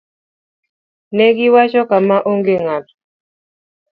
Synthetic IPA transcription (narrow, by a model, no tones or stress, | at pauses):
nɛɡɪwat͡ʃɔkamaʔoŋɡeŋat